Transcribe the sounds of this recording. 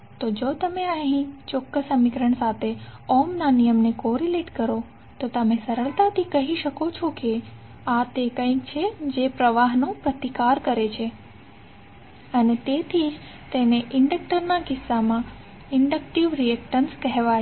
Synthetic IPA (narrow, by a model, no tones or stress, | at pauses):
t̪od͡ʒot̪əmeəɦĩt͡ʃɔkːəsəmikɾəɳsat̪ʰeɔmnanijəmnekoɾileʈkəɾo | t̪ot̪əmẽsəɾəɭt̪at̪ʰikəɦiʃəkot͡ʃʰoke | at̪ekə̃jkt͡ʃʰed͡ʒepɾəʋaɦnõpɾət̪ikaɾkəɾet͡ʃʰe | ənet̪et̪ʰid͡ʒ | t̪eneʔɪɳɖək̚ʈəɾnakɪsːamã | ɪɳɖəkʈiʋɾiek̚ʈənskɛɦʋa